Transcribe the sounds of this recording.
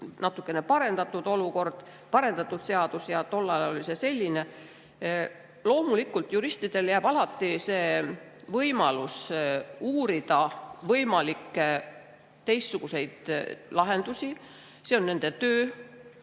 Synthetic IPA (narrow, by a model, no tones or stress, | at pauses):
nɑt̪ːˑukːˑe̞ne̞pɑɾe̞nd̪̥ɑt̪ːˑud̪o̞luko̞rd̪̥ | pɑɾe̞nd̪̥ɑt̪ːˑud̪̥se̞ɑd̪̥usjɑt̪o̞lːɑɑo̞lʲisese̞lʲːine̞ | lo̞ːmulikːˑult̪juɾist̪id̪̥e̞ljæːb̥ɑlɑt̪ːise̞ː | vɤjmɑlus | uːɾid̪̥ɑvɤjmɑlikː | t̪e̞jsːuɡ̥use̞jd̪̥lɑɦe̞nd̪̥usi | seo̞nːe̞nd̪̥e̞t̪øː